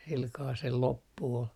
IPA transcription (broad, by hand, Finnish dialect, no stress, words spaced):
silkɑː sel lopːu ol